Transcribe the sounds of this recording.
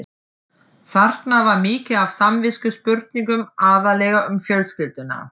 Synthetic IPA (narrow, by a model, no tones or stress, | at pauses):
θar̥t̪navaɾmɪːcɪav̥samvɪscʏspʏɾt̪̚niŋkʏmaːðalɛːɣaʔʏmfjœlscɪlt̪ɪnːa̰